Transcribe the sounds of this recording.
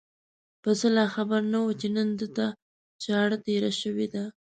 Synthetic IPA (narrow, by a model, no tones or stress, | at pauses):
pəzəlɑxabaɾnawət͡ʃenənd̪ət̪a | t͡ʃɑɽt̪eɾaʃəwed̪a